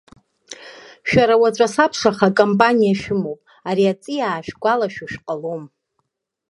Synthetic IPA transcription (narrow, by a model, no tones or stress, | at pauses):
ʃᶣaɾawat͡ɕʷʼasapʰʂaχakʼompʼanijaʃᶣɪmowpʼ | aɾiat͡sʼijaːʃᶣɡʷalaʃuʃᶣqʼalom